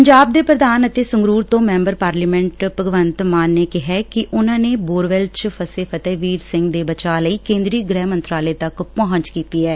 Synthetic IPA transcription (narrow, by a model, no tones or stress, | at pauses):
pəɲd͡ʒaːb̚d̪eːpɾəd̪aːnət̪eːsʊŋɡɾuːɾt̪õːmɛ̃ːmbəɾpaːɾliːmɛ̃ːɳʈpəɡʋənt̪maːnːeːkɪɦɛːkɪʔʊnãːneːboːɾʋɛlt͡ʃpʰəseːfʰət̪ɛːʋiːɾsɪ̃ŋɡd̪eːbət͡ʃaːləiːkẽːnd̪ɾiːɡɾɛːmənt̪ɾaːleːt̪əkpɔɦə̃ɲt͡ʃkiːt̪iːɛː